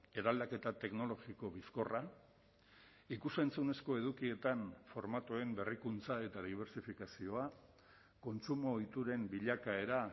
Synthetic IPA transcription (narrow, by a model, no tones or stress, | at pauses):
e̞ɾald̪ake̞t̪at̪e̞kno̞lo̞ɣiko̞βisko̞ra | ikuse̞nt͡sune̞sko̞e̞ðukie̞t̪anfo̞ɾmat̪ue̞mbe̞rikunt͡sae̞t̪aðiβ̞e̞ɾsifikasio̞a | ko̞nt͡sumo̞jt̪uɾe̞mbiʎakae̞ɾa